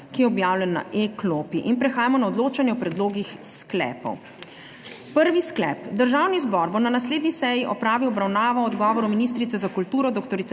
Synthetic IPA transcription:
kijɛɔbjaːwlʲɛnːa̰ʔeklopiʔinpɾɛxaːjamɔnaɔd̪loːt͡ʃanjɛɔpɾɛd̪loːɡixsklɛ̰ːpɔ̰w | pəɾʋisklɛ̰ːpd̪əɾʒaːwnizbɔɾbonanasleːd̪nisɛjiʔɔpɾaːʋiwɔbɾawnaːʋaɔd̪ɡɔːʋɔɾɔminiːst̪ɾit̪sɛzakult̪uːɾɔd̪okt̪ɔɾit̪

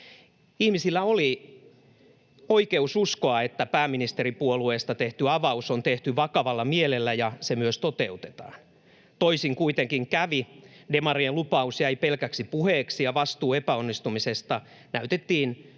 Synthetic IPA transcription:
ihmisilːæoli | oikeususkoɑet̪ːæpæːminist̪eripuolueːst̪ɑt̪eht̪yɑʋɑusont̪eht̪yʋɑkɑʋɑlːɑmielelːæjɑsemyøst̪ot̪eut̪e̥t̪ɑ̰ːn | t̪oisiŋkuit̪eŋkiŋkæʋidemɑrielupɑusjæipelkæksipuheːksijɑʋɑst̪uːepæonːist̪umisest̪ɑ | næyt̪et̪ːiːn

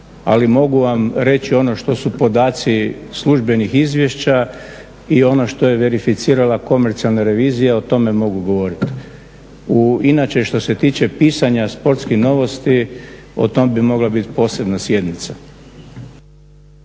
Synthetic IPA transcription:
a̰limo̞ɡuʋamɾe̞t͡ɕio̞no̞ʃt̪o̞supo̞d̪aːt̪sisluʒbe̞nixizʋje̞ʃt͡ɕa | io̞no̞ʃt̪o̞je̞ʋe̞ɾifit̪siːɾalako̞meɾt̪sialˠnaɾe̞ʋiːzijeot̪o̞me̞mo̞ɡuɡo̞ʋo̞ɾit̪ | uinat͡ʃe̞ʃt̪o̞se̞t̪iːt͡ɕe̞piːsaɲaspo̞ɾt̪skixno̞ʋo̞st̪io̞̰t̪o̞mbimo̞ɡlabit̪po̞ːse̞bnasje̞d̪nit̪sa

